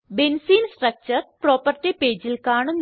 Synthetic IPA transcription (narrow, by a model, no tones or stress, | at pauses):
bensiːnsʈrɐk̚t͡ɕɐrproːpɐrtːipeːd͡ʑilkaːɳun